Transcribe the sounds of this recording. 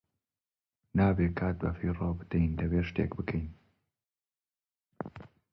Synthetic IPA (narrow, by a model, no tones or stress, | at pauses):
naːbeːkʰaːt̪̚bɐfiːroːbɨd̪̥ɛjnd̪ɐbeːʃt̪ḛːkbɨkʰɛjn